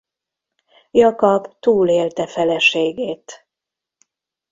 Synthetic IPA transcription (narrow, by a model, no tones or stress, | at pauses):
jɒkɒbt̪uːleːlt̪ɛfɛlɛʃeːɡeːt̪